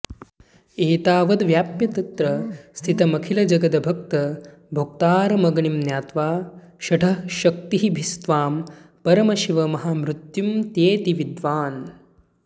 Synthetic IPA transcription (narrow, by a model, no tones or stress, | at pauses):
eːt̪aːʋɐd̪ʋjaːpjɐt̪ɐt̪ɾɐst̪ʰit̪ɐmɐkʰilɐd͡ʒɐɡɐd̪ɐbʱɐk̚t̪ɐ | bʱok̚t̪aːɾɐmɐɡɳimnjaːt̪ʋaː | ʃɐʈʰɐʃɐk̚t̪iɦibʱist̪ʋaːmpɐɾɐmɐʃiʋɐmɐɦaːmɾut̪jumt̪jeːt̪iʋid̪ʋaːn